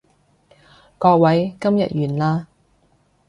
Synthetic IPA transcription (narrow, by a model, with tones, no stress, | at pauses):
kɔː˧k̚wɐ˨˥jkɐ˥mjɐ̰˨t̚jyː˨˩nlaː˧